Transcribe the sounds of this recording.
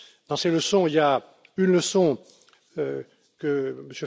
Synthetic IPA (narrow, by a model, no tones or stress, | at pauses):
d̪̥ɑ̃seləsɔ̃ilja | ynləsɔ̃ | ø | kəməsjø